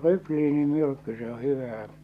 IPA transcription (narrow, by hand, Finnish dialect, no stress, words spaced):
rykliːnimyrkːy se o hyʋæː